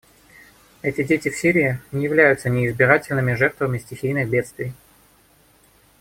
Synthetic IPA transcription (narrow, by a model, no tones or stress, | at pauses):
ɛtʲɪdʲetʲɪfsʲiɾʲɪɪnʲɪjɪvlʲæjʊt̪sənʲɪɪzbʲɪɾatʲɪlʲnɨmʲɪʐɛrt̪vəmʲɪsʲtʲɪxʲijnɨxbʲe̞t̪st̪vʲɪj